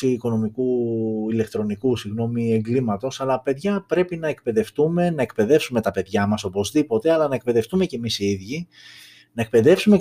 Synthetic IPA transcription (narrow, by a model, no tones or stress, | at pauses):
iːko̞no̞mikuile̞kt̪ɾo̞nikusiɣno̞mie̞ŋɡlimɐt̪o̞sɐlɐpe̞ðʝɐpɾe̞pinɐe̞k̚pe̞ðe̞ft̪ume̞nɐekpe̞ðe̞fsume̞t̪ɐpe̞ðʝɐmɐso̞po̞zðipo̞t̪e̞ɐlɐnɐek̚pe̞ðe̞ft̪ume̞ce̞misiðʝi | nɐek̚pe̞ðe̞fsume